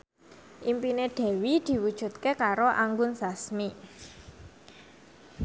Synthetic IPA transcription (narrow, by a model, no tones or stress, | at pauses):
ʔimpineɖ̪̥ɛ̤wid̪̥i̤wud̥ʒ̥ṳt̪̚kekaɾoʔaŋɡʊnsasmi